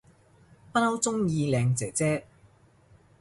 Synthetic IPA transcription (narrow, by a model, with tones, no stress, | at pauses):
pɐ˥t̚ho˨˥wt͡sʊ˥ŋjiː˧lɛː˨˧ŋt͡sɛː˨˩t͡sɛː˥